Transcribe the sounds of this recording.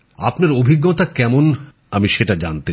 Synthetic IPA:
a̰pnaɾobʱiɡːot̪akɛmon | amiʃeʈad͡ʑant̪e

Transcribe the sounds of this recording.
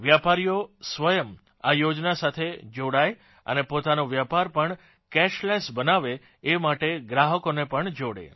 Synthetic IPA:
ʋjapaɾijosʋəjəm | ajod͡ʒnasat̪ʰed͡ʒoɽaj | ə̰nepot̪anoʋjapaɾpəɳ | kɛʃlɛsbənaʋeː | maʈeɡɾaɦəkonepəɳd͡ʒoɽḛ

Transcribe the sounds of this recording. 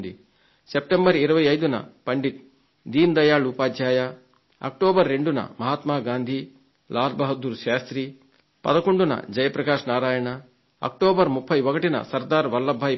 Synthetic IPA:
nd̪i | sep̚ʈembɐɾiɾɐʋɐjɐjd̪unɐ̰pɐɳɖit̪̚ | d̪iːnd̪ɐjaːɭuːpaːd̪ʱjaːjɐ | ɐ̰k̚ʈoːbɐɾːeɳɖunɐ̰mɐɦaːt̪maːɡaːnd̪ʱi | laːd̪bɐɦɐd̪uɾʃaːst̪ɾiː | pɐ̰d̪ɐkoɳɖunɐ̰d͡ʒɐjɐpɾɐkaːʃnaːɾaːjɐɳɐ | ɐ̰k̚ʈoːbɐɾmupʰːɐjʋɔkɐʈinɐ̰sɐɾd̪aːɾʋɐlːɐbʱːaːj

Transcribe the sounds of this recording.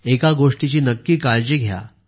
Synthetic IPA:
ekaɡoʂʈit͡ɕiːnəkːiːkaɭd͡ʑiɡʱja̰

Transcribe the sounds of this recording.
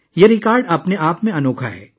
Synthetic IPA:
jeɾɪkaːɾɖɐpneʔaːpmẽɐnoːkʰa̰ɦɛ̰ː

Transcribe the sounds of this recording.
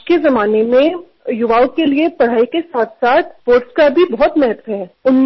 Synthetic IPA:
kezɐmaːnemẽ | jʊʋaːokeliepɐɽ̤aːikesaːt̪ʰsaːt̪̚ʰpoːɾʈskabʱibɔɦɔt̪mɛɦɛt̪ʋɦɛːʊnm

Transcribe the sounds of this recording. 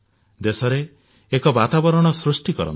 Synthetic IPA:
d̪esɔɾeː | kɔbat̪abɔɾɔɽ̃ɔsɾusʈikɔɾɔ̰n

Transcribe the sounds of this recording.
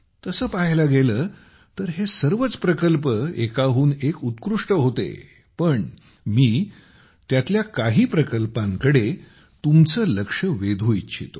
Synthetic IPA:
t̪əsəːpaɦlaɡeləː | t̪əɾɦesəɾʋət͡spɾəkəlpəekaɦuːnekut̪kɾuʂʈəɦot̪ḛ | pəɳ | miː | t̪jat̪ljakaɦiːpɾəkəlpãŋkəɽe | t̪umt͡səːləkʂəʋed̪ʱoitːt͡ɕʰḭt̪o

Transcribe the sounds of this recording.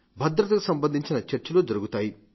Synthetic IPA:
bʱɐd̪ɾɐt̪ɐkusɐmbɐnd̪ʱiɲt͡ʃinɐt͡ʃɐɾt͡ʃɐloːd͡ʒɐɾuɡut̪aːji

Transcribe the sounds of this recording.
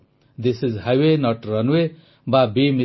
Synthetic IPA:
d̪ɪsizhajwenʌʈɾʌnwe | babimi

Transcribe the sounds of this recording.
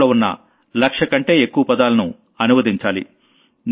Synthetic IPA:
oːunːɐ̰ | lɐkʂɐkɐɳʈe̞ːekːuʋɐpɐd̪aːlɐnṵ | ɐnumɐd̪iɲt͡ʃaːlḭ | n

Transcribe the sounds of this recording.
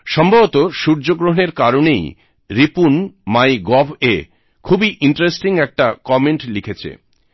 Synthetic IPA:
ʃɔmbʱabot̪oʃuɾd͡ʑoɡɾoɦoneɾkaɾonej | ɾipunmajɡɔbʱe | kʰubiʔiɳʈɾesʈiŋɛk̚ʈakɔmeɳʈlikʰet͡ɕʰḛ

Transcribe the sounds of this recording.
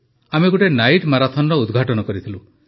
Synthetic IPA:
ameɡoʈenajʈmaɾat̪ʰɔnɔɾɔud̪ɡʱaʈɔnɔkɔɾit̪ʰilu

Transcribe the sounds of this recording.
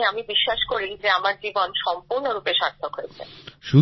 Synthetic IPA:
amibiʃːaʃkoɾid͡ʑeamaɾd͡ʑibonʃɔmpuɾnoɾupeʃaɾt̪ʰokɦoet͡ɕʰḛʃu

